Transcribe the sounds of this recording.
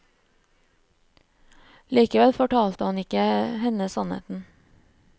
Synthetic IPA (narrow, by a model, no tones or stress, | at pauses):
liːkəʋɛlfɔʈʰɑːlt̪əhɑnɪkəhɛnəsɑnhḛːt̪n̩